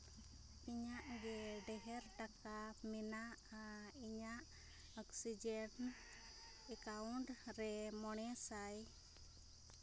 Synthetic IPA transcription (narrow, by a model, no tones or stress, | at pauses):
piɲaʔɡɛɖɛɦɛɾʈakamɛnaʔiɲaʔ | ɔksid͡ʒɛn | ɛkawuɳʈɾɛmɔɽ̃ɛsaj